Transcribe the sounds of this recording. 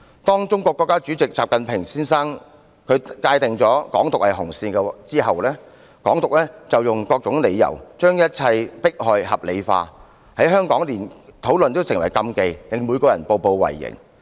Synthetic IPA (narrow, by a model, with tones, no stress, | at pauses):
t̪ɔː˥ŋt͡sʊ˥ŋkʷɔː˧kːɔː˧kːaː˥t͡ʃyː˨˥t͡sɪ˨k̚t͡saː˨p̚kɐ˨npʰɪ˨˩ŋsiː˥nsaː˥ŋ | kʰɵ˨˧kaː˧jt̪ɪ˨˩ŋt͡sɔː˨˥kɔ̰ː˨˥ŋt̪ʊ˨khɐ˨˩jɦʊ˨˩ŋsiː˧nkɛ˧t͡siː˥ɦɐ˨wlɛː˥ | kɔː˨˥ŋt̪ʊ˨k̚lɛː˥t͡sɐ˨wjʊ˨˩ŋkɔː˧k̚t͡sʊ˨˥ŋle˨˧jːɐ̰˨˩wt͡ʃœː˥ŋjɐ˥t̚t͡sʰɐ˧jpɪ˥k̚hɔː˧jɦɐ˨p̚lḛ˨˧jfa̰ː˧ | hɐ˨˥jɦœː˥ŋkɔː˨˥ŋliː˨˩nt̪ʰo˨˥wlɵ˨nt̪o˥wsɪ˨˩ŋwɐ˨˩jkɐ˧mke˨˧jlɪ˨˩ŋmuː˨˧jkɔː˧jɐ̰˨˩npo˧wpo˧wwɐ̰˨˩jːɪ̰˨˩ŋ